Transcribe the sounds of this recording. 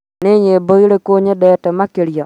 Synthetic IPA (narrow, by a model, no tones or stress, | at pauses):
nɪɲeboiɾekoɲedɛtɛmakeɾjɔ